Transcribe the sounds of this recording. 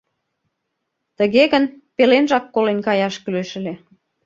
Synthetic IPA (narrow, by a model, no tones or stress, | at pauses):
t̪əɣeɣənpelenʒɑkːolenkɑjɑʃkyløʃə̆le